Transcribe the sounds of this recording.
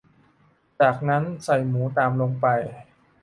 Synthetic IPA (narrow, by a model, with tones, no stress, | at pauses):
t͡ɕaː˨˩k̚na˦˥nsa˨˩jmuː˩˦t̪aː˧mlo˧ŋpa˧j